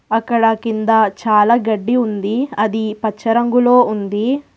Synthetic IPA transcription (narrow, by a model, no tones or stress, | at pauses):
ɐkːɐɽɐkind̪ɐt͡ʃaːlaːɡɐɖːiund̪iɐd̪ipɐt͡ʃːɐɾɐŋɡulo̞ːund̪i